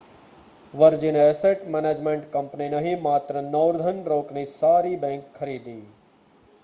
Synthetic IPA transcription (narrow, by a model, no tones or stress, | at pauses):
ʋɐɾd͡ʒineeseʈmeːneːd͡ʒmẽɳʈkɐ̃mpninɐɦimaːt̪ɾənɐːʊɾd̪ʱənɾoːknisaːɾibẽːŋkxʰɐɾiːd̪iː